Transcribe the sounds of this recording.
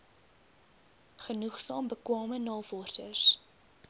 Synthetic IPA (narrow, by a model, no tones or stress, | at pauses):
χənuχsɑːmbəkwɑːmənɑːfɔrsə̰s